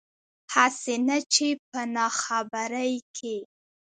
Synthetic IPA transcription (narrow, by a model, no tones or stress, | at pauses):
hasenat͡ʃep̚ənɑxabaɾəjkʰe